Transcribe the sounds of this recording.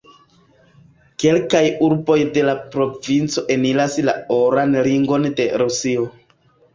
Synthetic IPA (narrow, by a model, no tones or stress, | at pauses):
ke̞lkajuɾbo̞jde̞lapɾo̞vint͡so̞ʔe̞nilasla̰oɾanliŋɡo̞nde̞ɾusio̞